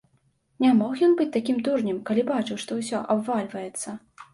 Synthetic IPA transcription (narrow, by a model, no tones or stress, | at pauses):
nʲamɔxjɔnbɨt͡sʲt̪akʲimd̪urnʲimkalʲibat͡ʂɨwʂt̪ɔwsʲɔʔabvalʲvɐjɛt̪sːɐ